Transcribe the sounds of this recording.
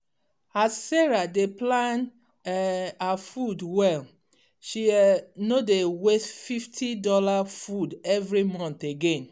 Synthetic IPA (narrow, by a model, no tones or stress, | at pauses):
assɛɹadeplãn | afudwɛl | ʃinodewesfiftʰidɔlafudɛvɹimɔ̃nθeɡẽn